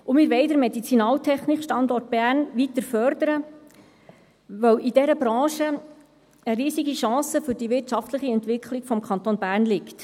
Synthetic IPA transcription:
ʊmɪɾʋɛɪdəɾmɛdit͡sinɑːltʰɛχnikʃtɑnd̪ɔrt̚b̥æɾnʋit̪əɾfœɾd̥̪əɾə | ʋœwid̥ɛɾəbɾɑ̃ːʃə | əɾiːsiɡiʃɑ̃ːsəfʏɾd̥iʋɪrtt͡ʃɑftləχiɛnt̪ʋɪkʰliɡ̥fɔmkʰɑnt̪onbæːɾnlɪkt

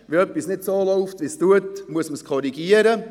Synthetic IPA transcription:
ʋiœpːisnɪtsoːloʊftʋistuətmuəsməskʰɔɾiɡiəɾə

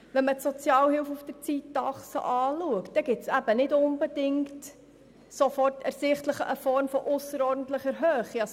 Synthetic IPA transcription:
ʋɛnmətsɔt͡sjɑːwhɪwfufd̥əɾt͡siːtːɑχsə̰ʔɑːluəkt̚d̥̪ɛɡɪtsæb̥ənɪdʊnbɛd̥ɪŋkt | sofɔrtɛɾsɪχtləχəʔəfɔɾmfɔʔʊsəɾɔːrdən̩t̪ləχəɾɦøːχiɑs

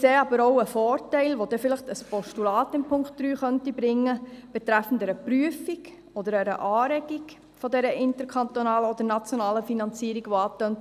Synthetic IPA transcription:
seːɑbəɾoʊəfɔːɾtɛɪlʋod̥ɛfɪlɪχtəspɔʃtulɑːtɪmpʰʊŋktd̥ɾyːχœntibɾɪŋːəb̥ɛt̪ɾæfən̩dɛɾəpryəfiɡ | ɔdəɾɛɾə̰ʔɑːɾɛɡik | fɔdɛɾəʔɪntəɾkʰɑnt̪onɑːləɔd̥̪əɾnɑt͡sjonɑːləfinɑnt͡siːɾiɡ̥ʋoɑːtønt

